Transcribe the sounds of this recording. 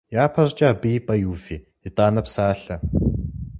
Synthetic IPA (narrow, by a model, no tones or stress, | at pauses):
jaːpʰɐrt͡ʃʼaːbiːpɐjuːfi | it̪ʼaːnɐpsaːɬɐ